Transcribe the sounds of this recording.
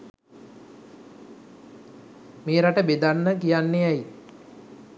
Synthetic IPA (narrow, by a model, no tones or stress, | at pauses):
meːɾaʈəbed̪anːəkijanːeæj